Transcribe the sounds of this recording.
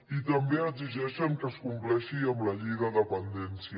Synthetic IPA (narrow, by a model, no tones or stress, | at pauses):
it̪əmbeəɡziʒɛʃəŋkəskumplɛʃiəmləʎiɣəðəpənd̪ɛnsi